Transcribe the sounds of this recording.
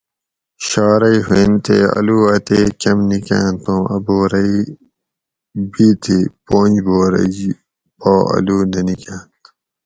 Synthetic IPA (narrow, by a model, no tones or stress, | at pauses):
ɕaːɾɐiɦent̪ḛɐ̰luːɐt̪eːkɐmnikã̰ːnt̪õːɐboːɾɐi | biːt̪ʰeːpoːnd͡ʑboːɾɐ̰i | baːɐ̰luːnɐnikãːnt̪